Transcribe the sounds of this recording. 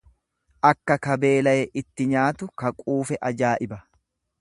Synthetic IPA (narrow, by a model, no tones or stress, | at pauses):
ʔɐkːɐkɐbe̞ːlɐjɛʔɪt̪ːɪɲaːt̪ʊkɐkʼuːfɛʔɐd͡ʒaːʔɪbɐ